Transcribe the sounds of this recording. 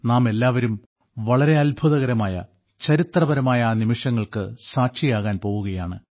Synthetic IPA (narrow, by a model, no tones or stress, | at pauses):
naːme̞lːaːʋɐɾum | ʋɐɭɐɾe̞ɐlbʱuðɐɣɐɾɐmaːjɐ̰ | t͡ɕɐɾit̪rɐbɐɾɐmaːjɐːnimiʂɐŋːɐɭkɨsaːkʂijaːɣaːnpo̞ːɣuɣɐja̰ːɳɨ